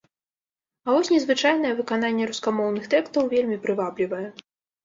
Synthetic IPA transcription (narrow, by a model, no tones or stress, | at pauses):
ɐvɔsʲnʲɛzvɨt͡ʂajn̪ɐjɛvɨkananʲːɛɾuskamɔwnɨxt̪ɛkst̪ɐwvʲelʲmʲipɾɨvablʲivɐjɛ